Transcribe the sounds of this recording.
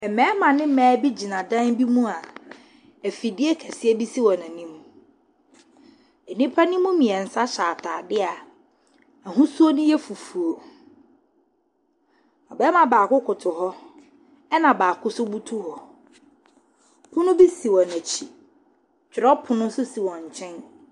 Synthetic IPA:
ɛ˨mɛ̃ː˨˦mã˨nɪ̃˦mɛ̃ː˨˦bi˦d͡ʑi˨nã˨dã˦nbi˦mũ˦a˨ | æ˨fi˨di˦e˦kʰɛ˨sɪ˦ɛ˦bi˦si˦wɔ̃˨nã˨nĩ˦m˦ | ɛ˨nĩ˦pʰa˦nĩ˦mũ˦mĩ˨ɛ˨n̩˨sa˦ɕaː˨tʰaː˨dɪ˦a˨ | æ˨ɦũ˦su˦o˦nʊ̃˦jɛ˦fu˨fu˨o˨ | ɔ˨bɛ˦mã˨baː˨kʊ˦kʰʊ˨tʰʊ˨ɦɔ˦ | ɛ˦nã˨baː˨kʰʊ˦sʊ˦bu˦tʰu˦hɔ˨ | kʊ̃˦nʊ̃˦bi˦si˨wɔ̃˨næ˨t͡ɕʰi˨ | t͡ɕᶣɪ˨ɾɔ˦pʰʊ˨nʊ̃˦sʊ˦si˨wɔ̃˨ɲ̩˨t͡ɕʰɛ̃˦n

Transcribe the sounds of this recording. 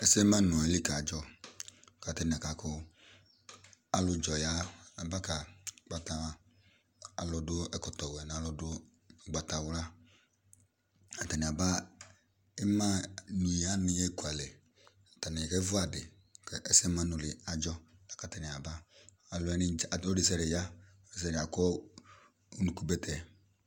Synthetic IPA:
ɛ˦sma˦nʊ̃˨ɛ˨˦lɪ˦ka˨a˨d͡ʒɔ˦˨ | ka˨tɪ˦n˨a˨ka˨kʊ˦ | a˦lʊ˦d͡ʒɔ˨ja˦a˨ba˦ka˨ɡ͡ba˨ta˨ | a˨lɔ˨dʊ˦ɛ˦˨kɔ˨tɔ˨wɛ˨n˨a˦lɔ˦dʊ˦ | ɡ͡ba˨ta˨wla˦ | a˨ta˨nɪ˨a˨ba˦ | ɪ˦ma˦nu˨i˨a˦nɪ˦e˦˨ku˨a˨lɛ˨ | ta˨nɪ˨kɛ˦vʊ˦a˨dɪ˨ | kɛ˨ʔɛ˦sɛ˦mã˦nʊ˨lɪ˨a˨d͡ʒɔ˦la˨ka˨tɛ˨nɪ˨a˨baː˦˨ | lʊ˦ɛ˦nɪ˦˨o˦dɪ˦s̬ɛ˦ɾɪ˨ja˦ | o˦ɾs̬ɛ˦˨ɾɪ˨a˨kɔ˦ | o˦nu˨ku˦bɛ˦tʰɛ˨

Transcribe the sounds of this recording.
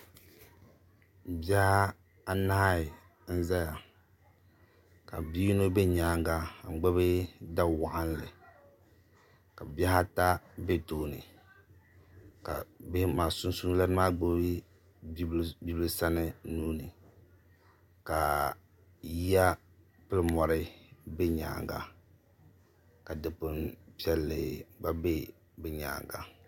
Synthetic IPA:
bja˦ha˦ | a˦na˦ɪ˨ | n̩˦za˦ja˨ | ka̰˨bi˦no˦be˦ɲaː˨˦ŋ˦ɡa˦˨ŋ͡m̩˨ɡ͡bɛ˦bɨ˦da˦wa˨ʔa˦n˦˨lɨ˨ | ka˨bja˦ha˦ta˦be˦toː˦˨nɨ̰˨ | ka̰˨be˦hmaː˨sʊ˦n˦su˦la˦maː˦ɡ͡be˦ | bbi˦bɨ˦lɨ˦sa˦nɨ˦nuː˦nɨ˨ | ka˨ | ji˦a˦ | pɨ˦lɨ˦mɔ˨ɾɨ˦bɛ˦ɲa̰ː˨ŋɡa̰˨ | ka˨dɨ˨pʊ˨npi˦ɛ˦lːɨ˨ba˦be˦ | bɛ˦ɲa̰ː˨ŋɡa̰˨

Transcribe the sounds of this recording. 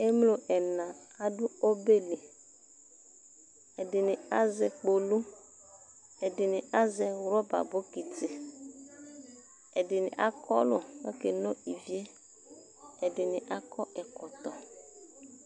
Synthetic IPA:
e˦mlo˨ʔɛ˨nã˨a˨ɖu˦o˦be˦le˨ | ɛ˨dɪ˨nɪ̃˨a˦zɛ˨k͡po˨lu˦ | ɛ˨dɪ˨nɪ̃˨ʔa˦zɛ˨wɾɔ˦ba̰˨bo˦ki˨tɪ˨ | ɛ˨dɪ˨nɪ̰̃˨ʔa˦kɔ̰˦lʊ˨nɔ˦ke˨nɔ̃˦i˨vi˦e˦ | ɛ˨dɪ˨nɪ̃˨ʔa˦kɔ˦ɛ˨kɔ˨t̪ɔ˨

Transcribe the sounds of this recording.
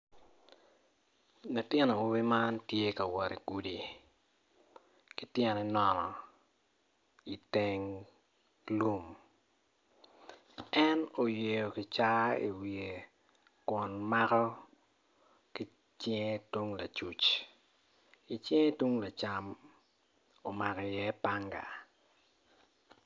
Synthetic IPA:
nʊ˨tɛ˦nɔ˨o˦bi˦ma˦ntje˦ka˨wɔ˨ɾi˨ku˨di˨ | kɪ˨tjɛ˨nɛ˨˦nɔ˨nɔ˨ | i˨te˦ŋ | lu˦m | ɛ˦no˨je˨jo˨ki˨t͡ʃa˦ḭ˨wie˨ | kwɔ˨nma˦kɔ˦ | ki˦ | t͡ʃɛ˦ŋe˦tu˦ŋla̰˨t͡ʃu˨t͡ʃ | i˨t͡ʃe˦ŋe˦tu˦ŋla˨t͡ʃa˦m | o˨ma˨kɛ˨jɛ˦pa˦ŋɡa̰˨

